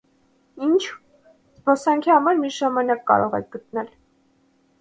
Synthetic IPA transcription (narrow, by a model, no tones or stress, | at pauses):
int͡ʃʰ | zbɔsɑŋkʰihɑmɑɾmiʒɑmɑnɑkːɑ̰ɾɔʁɛ̰k̚ɡ̥ət̪̚nɛl